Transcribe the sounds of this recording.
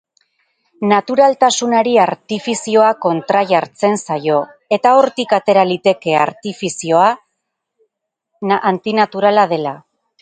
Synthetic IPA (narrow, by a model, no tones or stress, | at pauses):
nat̪uɾalt̪asunaɾiaɾt̪ifisio̞ako̞nt̪ɾaʝaɾt͡se̞nsajo̞ | e̞t̪ao̞ɾt̪ikat̪e̞ɾalit̪e̞ke̞a̰ɾt̪ifisio̞a | ʔːnt̪inat̪uɾalað̞e̞la